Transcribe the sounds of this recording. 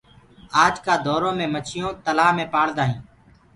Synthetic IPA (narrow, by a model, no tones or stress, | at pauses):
aːd͡ʒkaːd̪ɔːɾõːmẽːmət͡ʃʰɪjõːt̪əlaːmẽːpaːɽd̪aːɦĩː